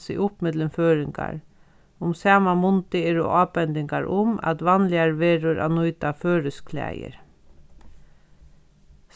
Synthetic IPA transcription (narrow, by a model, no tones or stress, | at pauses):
sɪ̰ʔʊpmɪd̪ləmføːɾɪŋka̰ɾ | ʊmsæːmamʊnt̪ɪeɾo̰ʔɑːpɛnd̪ɪŋkaɹʔʊma̰t̪ʋɑnlɪaɾʋeːɾʊɾʔa̰nujt̪aføːɾəskʰlæ̰ːjə̰ɾ | s